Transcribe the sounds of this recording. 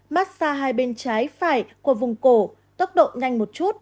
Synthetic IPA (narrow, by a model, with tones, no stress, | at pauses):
maː˦˥t̚saː˧ɦaː˧jɓe˧nt͡ɕaː˨˦jfaː˧˩jku˧˩əvʊ˨˩ŋ͡mko˧˩ | t̪ə˦˥t̚ɗo̰˧˨ɲa˧jŋ̟mo˨˩t̚t͡ɕu˦˥t̚